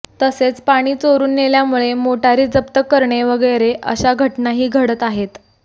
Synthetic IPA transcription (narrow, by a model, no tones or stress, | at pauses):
t̪əset͡spaɽ̃iːt͡soɾuːnːeljamuɭemoʈaɾiːd͡zəpt̪əkːəɾɳeʋəɡəjɾeʔə̰ɕaɡʱəʈnaɦiːɡʱəɽət̪aɦet̪